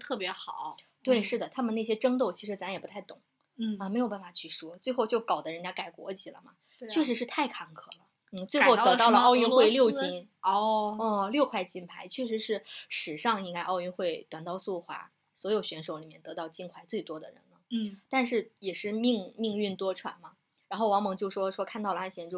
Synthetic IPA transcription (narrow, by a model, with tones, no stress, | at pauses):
t̪ʰɤ˥˩pjɛ˧˥xɑ˨˩˦t̪we˥˩ɪʂɻ̩˥˩d̪ə˩t̪ʰa˥mə˨ne˥˩ɕjɛ˥ʈ͡ʂɤ˥ŋt̪̬o˥˩ʊt͡ɕʰi˧˥ʂɻ̩˧˥t͡sa˧˥mjɛ˨˩pu˧˥t̪ʰa˥˩ɪt̪ʊ˨˩˦ | ə˧m˧˥ɪjʊp̬a˥˩n˩fa˨˩t͡ɕʰy˥˩ʂwɔ˥t͡swe˥˧ɪxo˥˧ʊt͡ɕjo˥˩ʊkɑ˨˩ʊd̪ə˦ɻə˧˥nt͡ɕja˥ka˨˩ɪkwɔ̰˧˥t͡ɕʰi˨˩lə̰˦mɐ̰˩ | t͡ɕʰɥɛ˥˩ʂɻ̩˧˥ʂɻ̩˥˧t̪ʰa˥˩ɪkʰɑ˧˥ŋkʰɤ̰˨˩lə˦ | n̩˥˩t͡swe˥˧xo˥˩ʊt̪ɤ˧˥t̪ɑ˥˩lə˧ɑ˥˧ʊy˥˧nxwe˥˧ɪljo˥˩ʊt͡ɕi˥n | ɔ˥˧ə˥˩ljo˥˧ʊkʰwa˥˩ɪt͡ɕi˥npʰa˧˥ɪt͡ɕʰɥɛ˥˩ʂɻ̩˧˥ʂɻ̩˥˩ʂɻ̩˨˩ʂɑ˥˧ŋi˥ŋka˥ɪʔɑ˥˧ʊy˥˧nxwe˥˩ɪt̪wa˨˩nt̪ɑ˥˧ʊsu˥˩xwa̰˧˥ | swɔ˧˥jo˨˩ʊɕɥɛ˧˥nʂo˧˥ʊli˨˩mjɛ˥˩nt̪ɤ˧˥t̪ɑ˥˧ʊt͡ɕi˥nkʰwa˧˥ɪt͡swe˥˩ɪt̪wɔ˥d̪ə̰˨ɻə̰˧˥nnə˧t̪a˥˧nʂɻ̩˥˩jɛ˨˩ʂɻ̩˥˧mi˥˧ŋmi˥˧ŋy˥˩nt̪wɔ˥ʈ͡ʂʰwa̰˧˥nmɐ˩ | ɻa˧˥nxo˥˩ʊwɑ˧˥ŋmɑ˧˥ŋt͡ɕjo˥˩ʊʂwɔ˥ʂwɔ˥kʰa˥˧nt̪ɑ˥˩ʊlə˩a˥nɕjɛ˧˥ʈ͡ʂʊ˥˧